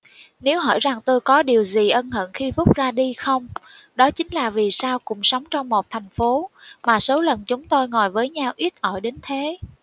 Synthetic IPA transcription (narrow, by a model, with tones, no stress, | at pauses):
ne˨˦wɦɔ̰˧˩jza˨˩ŋt̪o˧jkɔ˨˦ɗi˨˩əwzi˨˩ʔə˧nhə̰˧˨nxi˧fʊ˦˥k͡p̚zaː˧ɗi˧xə˧wŋ͡mɗɔ˨˦t͡ɕï˨˦ŋ̟laː˨˩vi˨˩saː˧wkʊ̰˧˥ŋ͡msə˨˦wŋ͡mt͡ɕɔ˧wŋ͡mmo˨˩t̚t̪ʰɛ˨˩jŋ̟fo˨˦maː˨˩so˨˦lə˨˩nt͡ɕʊ˨˦ŋ͡mt̪o˧jŋɔ˨˩jvəː˨˦jɲa˧wʔi˦˥t̚ʔɔ˧˩jɗe˨˦nt̪ʰe˨˦